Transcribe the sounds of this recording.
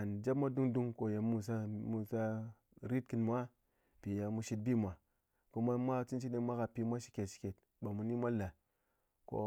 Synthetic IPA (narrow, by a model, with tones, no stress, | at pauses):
a˨nd͡ʒa˦pma˦du˦ŋdu˦ŋko˨ja˨mu˨s̬a˦mu˨sa˦ | ɾi˦tki˦nm˦a˦ | pi˨ja˨mu˨ʃi˦t̚bi˦˨mʷ˨a˨ | ko˦ma˦mʷ˦a˦t͡si˦nt͡ʃi˦ne˦mʷa˦ka˨pi˦mʷa˦ʃi̥˨kʲe˨tʃi̥˨ke˨t | ba˨mu˨ni˦mʷa˦lːa˨ | ko̰˦